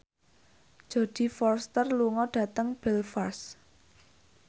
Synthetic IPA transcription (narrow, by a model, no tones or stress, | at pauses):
d̥ʒ̥o̤d̪̥i̤fɔrst̪ərluŋɔɖ̥ä̤t̪əŋb̥ɛlfars